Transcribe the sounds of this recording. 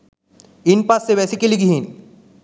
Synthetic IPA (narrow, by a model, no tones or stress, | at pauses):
inpasːebɛsikeliɡiɦin